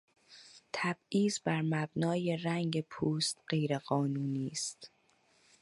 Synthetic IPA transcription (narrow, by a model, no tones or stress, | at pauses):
t̪ʰæb̥iːzbæɾmæbnɒːje̞ræŋɟe̞pʰuːst̪ɢe̞jɾeɣɒːnuːniːst̪